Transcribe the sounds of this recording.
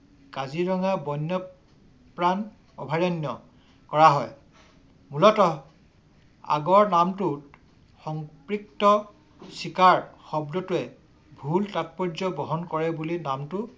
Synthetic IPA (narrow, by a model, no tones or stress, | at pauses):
kaziɹɔŋabɔnːɔ | pɹan | ɔ̰bʱaɹɔnjɔ | kɔɹaɦɔj | mulɔtɔ | a̰ɡɔɹnamtut | xɔŋpɹik̚tɔ | sikaɹxɔbdɔtʊɛ | bʱultat̚pɔɹd͡ʒɔbɔɦɔnkɔɹɛbulinamtʊ